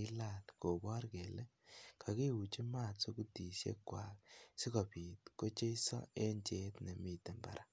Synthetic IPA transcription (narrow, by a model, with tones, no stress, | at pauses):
i˦la˨lko˨bɔ˦rke˨le˦ | kʰa˨ke˦wu˨t͡ʃi˦ma˦˨tso˦ku˦ti˨sjḛ˦kwa˨ksi˦kɔ˨pi˨tko˦t͡ʃe˦i˦sɔ̰˦e˦ɲt͡ʃe˦tne˨mi˨te˨mba̰˨ɾʔa˨